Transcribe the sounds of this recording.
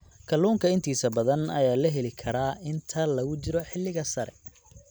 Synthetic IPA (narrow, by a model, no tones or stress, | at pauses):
kʰɐlːuːŋkʰɐɪnt̪ʰiːsɐbɐðɐnɐjaːlɐɦɛlɪkʰɐɾaːɪnt̪ʰɐlɐɣʊt͡ʃɪɾɔħɪlːɪɣɐsɐɾɛ̰